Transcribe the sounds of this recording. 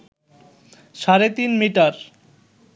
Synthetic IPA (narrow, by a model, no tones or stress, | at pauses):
ʃaɾet̪inmiʈaɾ